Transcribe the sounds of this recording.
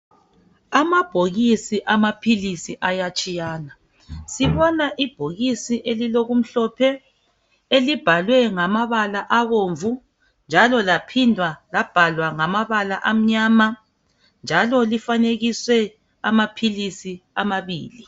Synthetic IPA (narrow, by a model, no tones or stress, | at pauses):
amab̥ʱoɣisiʔamapʰilisiʔajat͡ʃʼijaːna | siβɔnaʔib̥ʱoɣisiʔeliloɣum̩ɬɔpʰɛ | elib̥ʱalwɛŋamaβalaʔaβoɱvu | nd͡ʒʱalɔlapʰindʱwalab̥ʱalwaŋamaβalaʔam̩ɲaːma | nd͡ʒʱalɔlifaneɣiswɛ | a̰mapʰilisiamaβiːli